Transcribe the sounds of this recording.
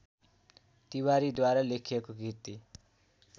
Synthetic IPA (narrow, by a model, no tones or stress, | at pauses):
t̪iwaɾid̪waɾalekʰijekoɡʱit̪i